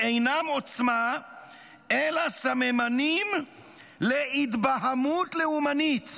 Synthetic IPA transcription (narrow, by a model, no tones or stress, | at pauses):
e̞jnamo̞t͡sma | elasamemanim | le̞ʔit̪baɦamutle̞umanit